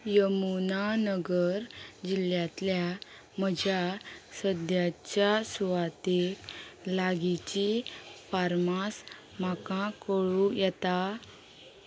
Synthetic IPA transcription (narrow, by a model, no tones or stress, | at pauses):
jəmunanəɡəɾd͡ʑiljat̪lja | m̤əd͡ʑasəd̪jat͡ɕjasuʋat̪eklaɡit͡ɕifaɾmas | m̤akãkəɭũjɛt̪a